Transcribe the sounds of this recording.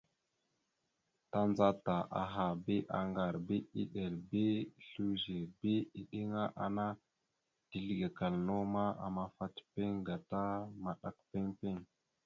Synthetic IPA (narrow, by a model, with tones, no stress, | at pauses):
ta˦nd͡za˦ta˨ʔa̰˨ɦa˨bi˦ʔa˨ŋɡa˨ɾbi˦i˦ɗe˨ɾbi˦˨ɬu˦ʒe˨bi˦i˦ɗi˦ŋa˦ʔa̰˨na˦ | ti˨li˦ɡe˨ka˨lno˦ma˦a̰˨ma˦fa˦tpe˦ŋɡa˨ta˦ma˨ɗa̰˦k̚pe˦ŋpe˦ŋ